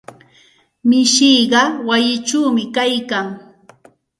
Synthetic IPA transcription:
mɪʃijɢɑwajɪt͡ʃuːmɪkajkaŋ

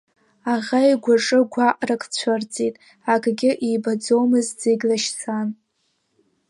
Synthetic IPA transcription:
aʁajɡʷaʈ͡ʂʼɨɡʷaqʼrakʰʼt͡ɕʷʰart͡sʼitʼ | akʼɡʲɪʔijbad͡zo̞wmɨzd͡zɨɡʲlaʃsʰan

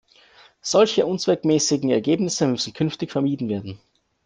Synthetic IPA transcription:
z̥ɔlçəʔʊnt͡sv̥ɛkmɛːsɪɡŋ̩ɛɐɡeːbnɪsəmʏsn̩kʰʏnftɪçfɛɐmiːdn̩veːɐdn̩

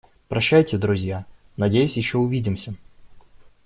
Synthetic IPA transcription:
pɾɐɕːæjtʲɪd̪ɾʊzʲja | nɐdʲejʊsʲjɪɕːoʊvʲidʲɪmsʲə

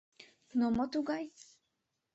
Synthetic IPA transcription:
nɔmɔt̪uɡaj

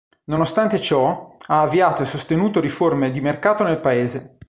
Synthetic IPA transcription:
nonost̪ant̪et͡ʃɔaːvːiaːt̪oesːost̪enuːt̪oɾiformed̪imerkaːt̪onelpaeːze

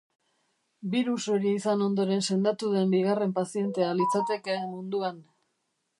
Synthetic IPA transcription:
biɾuso̞ɾiisano̞nd̪o̞ɾe̞nse̞nd̪at̪uð̞e̞mbiɣare̞mpasie̞nt̪e̞alit͡sat̪e̞keːmːund̪uan

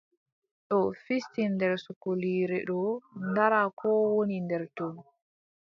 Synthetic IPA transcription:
ɗɔfistindɛɾsukoliːɾɛɗɔndaɾakʰɔːwonindɛɾtɔn

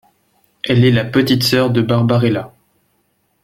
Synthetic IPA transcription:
ɛlɛlapət̪it̪sœʁd̪əbaʁbaʁela

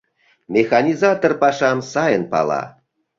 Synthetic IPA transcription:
mʲexɑnʲizɑt̪orpɑʃɑmsɑjənpɑ̰lɑ̰

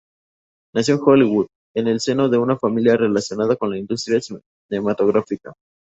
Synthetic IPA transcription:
nasjo̞ŋxoliɣuð | e̞ne̞lse̞no̞ðe̞unafamiljare̞lasjo̞nað̞ako̞nlaind̪ust̪ɾjas | ne̞mat̪o̞ɣɾafika

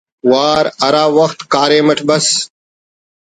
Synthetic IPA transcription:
waːɾɐɾaːʋəxt̪kaːɾeːmɐʈʰbɐs

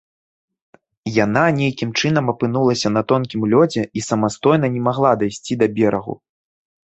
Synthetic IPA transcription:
jananʲejkʲimt͡ʂɨnɐmɐpɨnulˠɐsʲɐnɐt̪ɔnkʲimlʲɔd͡zʲɛisɐmast̪ɔjnɐnʲɛmaɣlˠad̪ajsʲt͡sʲid̪ɐbʲɛɾɐɣṵ

